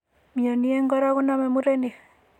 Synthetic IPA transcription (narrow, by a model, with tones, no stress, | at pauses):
mja˨nie˦ŋɡɔ˦ɾa˦ɣunamemu˦ɾene˨